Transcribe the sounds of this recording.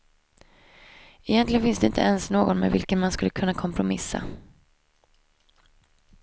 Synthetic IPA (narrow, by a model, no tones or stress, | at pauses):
ɪjɛnlɪɡənfɪnsd̪ɛɪnt̪əɛnsnoːɡɔnmḛvɪ̰lkənmanskɵlːəkʰɵnːakʰɔmpʰɾʊmɪsːa̰